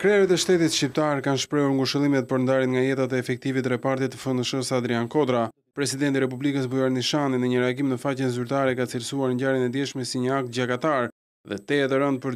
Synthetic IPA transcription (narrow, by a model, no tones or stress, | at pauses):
kɾɛɾit̪ɛʃt̪ɛt̪it̪ʃcip̚t̪aɾkanʃpɾɛuɾŋɡuʃəlˠimɛt̪̚pəɾnd̪aɾinŋɡajɛt̪at̪̬ɛɛfɛk̚t̪ivit̪ɾɛpaɾt̪it̪ːəfənd̪əʃɔsad̪ɾiankɔd̪ɾa | pɾɛsid̪ɛnt̪iɾɛp̬ublikəs̬bujaɾniʃaninəɲəɾɛaɡimnəfacɛnzyɾt̪aɾɛkat͡siɾsuaɾɲɟaɾinɛd̪jɛʃmɛsiɲəak̚t̪̚ɟakat̪aɾ | ðɛt̪ɛɛt̪ɛɾənd̪̚pəɾ